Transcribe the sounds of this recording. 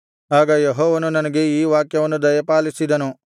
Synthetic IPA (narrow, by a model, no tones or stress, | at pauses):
aːɡɐjeɦoːʋɐnunɐnɐɡe̞iːʋaːkjɐʋɐnːud̪ɐjɐpaːlisid̪ɐnu